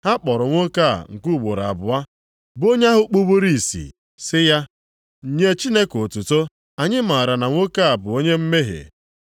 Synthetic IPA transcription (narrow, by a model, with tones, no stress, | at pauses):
ha˦k͡pɔ˨ɾʊ˨ŋʷo˦ka̰˦˨ŋ̩˨ku˦˨ɡ͡bo˨ɾa̰˨bʊ˨a˦ | bo˦ɲa˦ɦʊ˦k͡pu˦bo˦ɾi˦˨sḭ˨ | sɪ˦ja˦ | ɲ̩˨ɲe˦t͡ʃi˦ne˦ko˨tu˨to˦ | a˨ɲɪ˦ma˨ɾa˨na˨ŋʷo˦ka˦˨a˨bʊ˨o˦ɲe˦m̩˦me˦ɦḛ˨